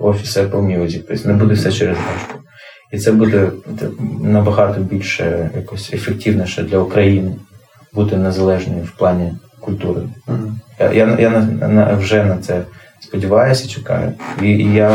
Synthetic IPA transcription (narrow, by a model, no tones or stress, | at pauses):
ɔfʲi̥sɛpɔwmʲilɐzʲit̪ɔsʲnɛbud̪ɛfsɛt͡ʃɛɾezɦɛʃkʊ | it̪sɛbud̪ɛt̪ɛnɐbɐɦɑt̪ɔbʲilʲʃɛjakɔsʲefektʲiwnʲɛʃɛd̪lʲɐukɾɐjinɪ | but̪ɪnezɐlˠɛʒnɔjʊwplˠɑnʲi | kʊlʲt̪uɾɪ̰ja̰janjanɐnɐ̰wʒɛnɐt̪sɛ | spɔdʲiʋɑjʊsʲɐt͡ʃɪ̥kɑ̰jʊ̰ija